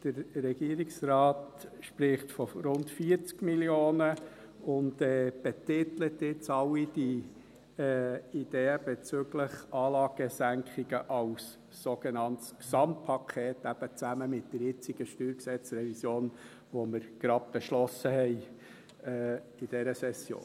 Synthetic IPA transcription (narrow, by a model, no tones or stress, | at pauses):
d̥əɾɾɛɡiəɾɪksrɑːtʃpɾɪχtfɔɾʊntfiəɾt͡skmiljoːnə | ʊndɛːb̥ɛtɪtlətɪt͡sɑlːid̥iː | id̥eːəb̥ɛt͡søɡləχɑːlɑːɡ̥əsæŋkχiɡəʔɑwsː | oɡenɑntsksɑmt̚pʰɑkʰeːt̪æb̥ət͡sæməmɪt̚d̥əɾjɪt͡siɡ̥əʃtyːɾksɛt͡sɾɛvisjoːn | ʋɔməɾɡ̥ɾɑd̚b̥ɛʃlɔsəhɛɪ | ɛː | id̥ɛɾəsɛsjo̰ːn